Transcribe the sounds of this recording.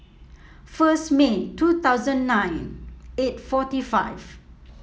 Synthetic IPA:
fəsmetut̪aʊzə̃nːãj̃netfɔtifa̰jv

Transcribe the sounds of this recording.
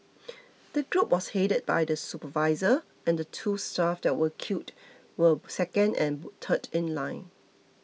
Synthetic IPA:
d̥əɡɹup̚wɔsheɾəd̚ba̰jdəsupəvaɪzə | ɛ̃ndətʰustafdɛt̚wəkʰjut | wəsɛkə̃nɛ̰̃ntʰətɪ̃nlãɪ̃n

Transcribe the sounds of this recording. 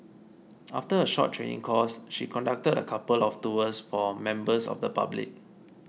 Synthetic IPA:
ʔaftəəʃɔ̰t̚tʰːɹḛ̃nḭ̃ŋkʰɔsʃikʰɔ̃ndak̚tədə̰kʰapəlɔftuəsfɔmɛ̃mbəsɔ̰fdəpa̰blḭk̚

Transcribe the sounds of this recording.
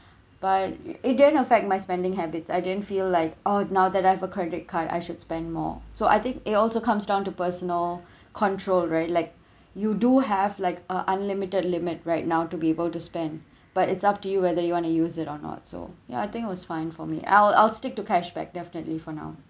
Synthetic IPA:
b̥at̚ɪt̚dɪdə̃ntəfɛk̚t̚maɪspɛ̃ndɪ̃ŋɦɛbɪtsaɪdɪdə̃ntfiːlːaɪkonaʊd̪ɛtaɪɛvəkʰɹɛdɪt̚kʰada̰ɪʃʊd̥spɛ̃ndmɔ̰ːsoʔa̰ɪt̪ɪ̃ŋkɪtɔlsokʰʌ̃msdãʊ̃ntupəsənəl | kʰɔ̃ntʰɹolɹaɪtlaɪk̚ | juduɦɛvlaɪkəʔə̃nlɪmɪtədlɪmɪt̚ɹaɪt̚naʊtubiebəlˠtuspɛ̃nd | b̥atɪtsap̚tujuwɛðəjuwɔ̃nujuːzɪtɔnɔ̰t̚so̰ja̰aɪt̪ɪ̃ŋkɪtɔsfãɪ̃nfɔ̰mḭʔa̰ɪla̰ɪlstɪk̚tukɛʃbɛ̰k̚dɛfɪnətlifɔna̰ʊ

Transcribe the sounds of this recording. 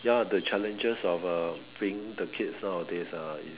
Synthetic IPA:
jadət͡ʃʰɛlɛ̃nd͡ʒəsɔfəb̥ɹĩŋdəkʰitsnawdisaḭ

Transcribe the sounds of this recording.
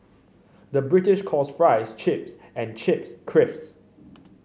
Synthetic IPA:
dəbɹɪtɪʃkʰɔsfɹaɪst͡ʃʰɪps | ɛ̃nt͡ʃʰɪpskʰɹɪfs

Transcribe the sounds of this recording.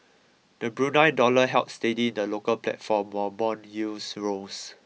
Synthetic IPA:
d̥əbɹũnãɪndɔləɦɛlp̚stedĩndəlokəlplɛ̰tfɔ̃mɔbɔ̃njusɹos

